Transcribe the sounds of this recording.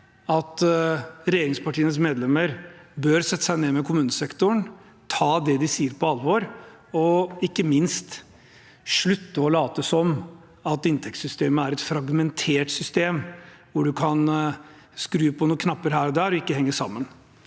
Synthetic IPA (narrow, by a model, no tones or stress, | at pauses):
ɑt̪ | ɾɛjeːɾɪŋspɑʈʰiːənəs̬meːd̪lɛmːəɾbøːɾsɛt̪ːə̥sæɪneːmɛkʰʊmʉːnəsɛkt̪ʊɳ | t̪ʰɑːd̪ɛd̪ɪsiːəɾpʰɔɑlʋɔɾ | ɔɪkːəmɪnst̪ | ʂɭʉt̪ːəɔlɑːt̪əsɔm | ɑt̪ɪnt̪ʰɛkt̪sʏst̪eːməæɾɛt̪fɾɑɡmɛnt̪ʰeːʈsʏst̪eːm | ʋʊɖʉkʰɑn | skɾʉːəpʰɔnuːəkʰnɑpːəɾɦæːɾɔd̪æːɾɔɪkːəhɛŋːəʂɑ̰mːən